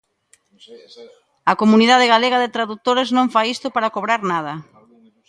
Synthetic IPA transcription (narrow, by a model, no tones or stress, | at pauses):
ɐkomuniðað̞ɪɣaleɣɐðɪt̪ɾaðut̪oɾeznõŋfajist̪ʊpaɾakoβɾaɾnað̞ɐ